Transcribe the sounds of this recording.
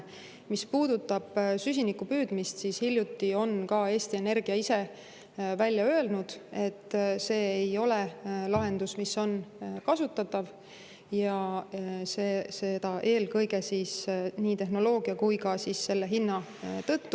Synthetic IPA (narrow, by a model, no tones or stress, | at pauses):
mispuːd̪̥ut̪ːˑɑb̥sys̬ʲinikːupyːd̪̥mist̪siːshilʲːjut̪ːio̞nkɑe̞ːst̪ie̞ne̞rɡ̥iɑise̞ | vælʲːjɑø̞elnud̪̥e̞t̪ːˑse̞ːejo̞le̞lɑɦe̞nd̪̥usmisːo̞nkɑsut̪ːˑɑt̪ːˑɑv | jɑ | sesed̪̥ɑʔe̞ːlkɤjɡe̞siːsniːt̪e̞ɦno̞lo̞ːɡ̥iɑkujkɑsiːsse̞lːe̞ɦinːɑ | t̪ɤt̪ːu